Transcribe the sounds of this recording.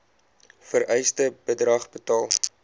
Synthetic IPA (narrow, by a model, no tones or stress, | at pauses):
fəɾɛjstəbədrɐχbətɑːlˠ